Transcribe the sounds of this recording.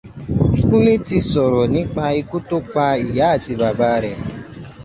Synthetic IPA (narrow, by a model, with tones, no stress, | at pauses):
kũ˦li˦ti˧sɔ˨ɾɔ˨nĩ˨˦k͡pa˧i˧ku˦to˦k͡pa˧i˨ja˨˦a˦˨ti˧ba˨ba˦ɾɛ˨